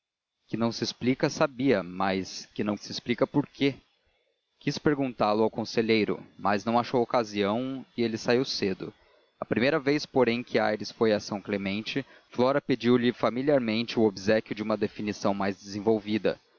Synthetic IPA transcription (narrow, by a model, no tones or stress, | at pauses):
kɪnɐ̃w̃sɪːsplikɐsabiɐmɐskɪnɐ̃w̃sɪːsplikɐpoɾke | kispeɾɡũnt̪alʊawkõseʎejɾʊ̰mɐznɐ̃w̃aʃowokaziɐ̃w̃ɪelɪsaiwsed̪ʊ̰ | ɐpɾimejɾɐvejspoɾẽj̃kʰɪajɾɪsfojasɐ̃w̃klemẽnt͡ʃɪ | flɔɾɐped͡ʒiwlɪfamiliaɾmẽnt͡ʃɪʊobizɛkjʊd͡ʒɪũmɐd̪efinisɐ̃w̃majzd͡ʒɪzẽvowvid̪ɐ̰